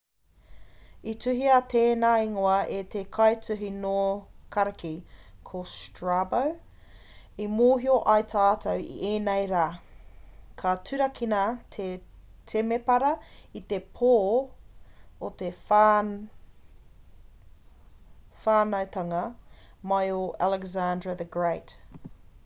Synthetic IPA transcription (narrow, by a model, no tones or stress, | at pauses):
itʉɦiɐt̪ʰeːnaːiŋoɐet̪ekʰɐjt͡sʉɦinoːkʰɐɾɐkikʰostɹabow | imoːɦioʔɐjtʰatʰɐwḭʔeːnejɾaː | kʰɐtʉɾɐkʰinɐt̪ʰetʰemepɐɾɐit̪epʰoː | ot̪ef | faːnɐwt̪ɐŋɐ | majoʔalɛɡzandɹɐðəɡɹejt